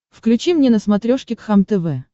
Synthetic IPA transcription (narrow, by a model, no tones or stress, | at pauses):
fklʲʉt͡ɕimnʲenəsmɐt̪ɾʲoʂkʲɪkxamt̪ɛvɛ